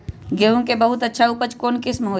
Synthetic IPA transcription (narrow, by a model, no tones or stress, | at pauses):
ɡeːũkebəɦʊt̪ətːʃʰaupət͡ʃkoːnkɪsmɦoː